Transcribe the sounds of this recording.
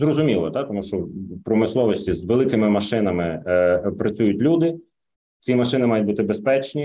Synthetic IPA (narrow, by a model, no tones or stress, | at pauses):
zrɔzʊmʲilˠɔt̪at̪ɔmuʃt͡ʃɔpɾɔmɪslˠɔʋɔsʲtʲizʋelˠɪkɪmɪmɐʃɪnɐmɪpɾɐt͡sʲujʊtʲlʲud̪ɪ | t͡sʲimɐʃɪnɪmɑjʊt̚ʲbut̪ɪbespɛt͡ʃnʲi